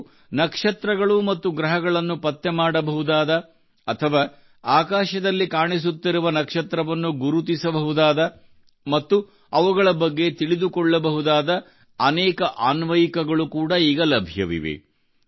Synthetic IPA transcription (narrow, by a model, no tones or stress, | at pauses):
nɐkʂɐt̪ɾɐɡɐɭumɐt̪ːuɡɾɐɦɐɡɐɭɐnːupɐt̪ːemaːɽɐbɐɦud̪aːd̪ɐː | t̪ʰɐʋaː | aːkaːʃɐd̪ɐlːikaːɳis̬ut̪ːiɾuʋɐnɐkʂɐt̪ɾɐʋɐnːuɡuɾut̪isɐbɐɦud̪aːd̪ɐ | mɐt̪ːu | ɐʋuɡɐɭɐbɐɡːe̞t̪iɭid̪ukɔɭːɐbɐɦud̪aːd̪ɐː | nɛːkɐʔaːnʋɐjikɐɡɐɭukuːɽɐiːɡɐlɐbʱjɐ̰ʋḭʋḛ